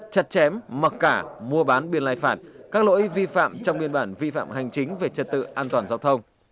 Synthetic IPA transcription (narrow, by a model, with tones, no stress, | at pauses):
t͡ɕə˨˩t̚t͡ɕɛ˨˦mmə˨˩t̚kaː˧˩mu˧əɓaː˨˦nɓi˧ənlaː˧jfaː˧˩t̚kaː˦˥k̚lo̰˧˥jvi˧fa̰ː˧˨mt͡ɕɔ˧wŋ͡mɓi˧ənɓaː˧˩nvḭ˧˨fa̰ː˧˨mɦa˨˩jŋ̟t͡ɕï˨˦ŋ̟ve˨˩t͡ɕə˨˩t̚t̪ɨ̰˧˨ʔaː˧nt̪waː˨˩nzaː˧wt̪ʰə˧wŋ͡m